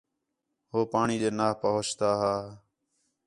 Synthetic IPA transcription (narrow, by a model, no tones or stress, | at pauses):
ɦoːpaːɳiːd͡ʒeːnaːɦpəɦoːt͡ʃt̪aːɦaː